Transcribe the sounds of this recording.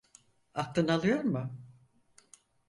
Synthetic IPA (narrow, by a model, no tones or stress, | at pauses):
aft̪ʰːɯnalˠɯjo̞ɾmʊ